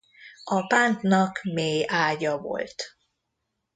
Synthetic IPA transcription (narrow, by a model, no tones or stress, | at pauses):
ɒpaːnt̪nɒkmeːjaːɟɒvo̰lt̪